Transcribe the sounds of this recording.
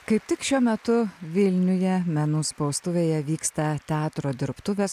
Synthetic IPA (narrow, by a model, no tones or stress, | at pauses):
kɐɪp̚t̪ʲɪkʃʲuɔmʲɛt̪ʊʋʲɪlʲnʲʊjɛmʲɛnuːspɒʊst̪ʊʋʲeːjɛʋʲiːkst̪ɐt̪ʲɛɑːt̪ɾoːd̪ʲɪɾpt̪ʊʋʲeːs